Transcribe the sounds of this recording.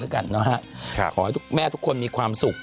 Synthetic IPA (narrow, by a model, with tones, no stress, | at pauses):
ɯ˦˥˩jka˧nːɔ˦˥kʰa˦˥˧kʰɔː˩˦ha˦t̪ʰu˥k̚mɛː˥˩t̪ʰu˦˥kʰːo˧nmiː˧kʰwaː˧msu˨˩k̚